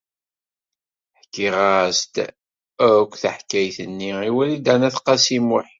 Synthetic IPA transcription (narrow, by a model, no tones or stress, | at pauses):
ħkːiʁast̪ | kʷːθəħkæjθənːiiwælid̪ænæθqɑsimʊħ